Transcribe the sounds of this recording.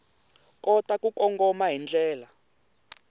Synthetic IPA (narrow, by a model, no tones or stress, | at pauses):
kʼɔtʼakʼukʼɔŋɡɔmaɦind͡ɮʱɛːla